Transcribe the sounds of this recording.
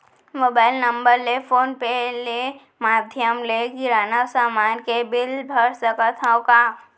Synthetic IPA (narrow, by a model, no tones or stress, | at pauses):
moːbaːɪlnə̃mbəɾlefʰoːnpele | maːd̪ʱjəmlekɪɾaːnasaːmaːnkebɪlbʱəɾsəkət̪ʰãoka